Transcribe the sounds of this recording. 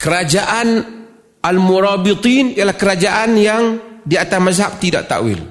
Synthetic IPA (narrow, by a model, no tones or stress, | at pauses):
kəɾad͡ʒaʔan | ʔalmuɾabit̪ˤiːnjalahkəɾad͡ʒaʔanjaŋdiat̪asmazɦap̚t̪ida̰ʔt̪a̰ʔwḭl